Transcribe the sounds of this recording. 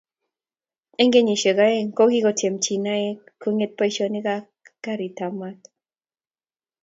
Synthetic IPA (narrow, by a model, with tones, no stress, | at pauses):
e˦ŋɡe˦ɲi˨ʃe˨ka˦e˦ŋko˦ɡi˦kɔ˨te˨mt͡ʃi˨na˦e˦ko˦ŋe˦t̪̚pa˦i˦ʃɔ˦ni˦ka | ka˦ɾi˨t̪ama˦t̪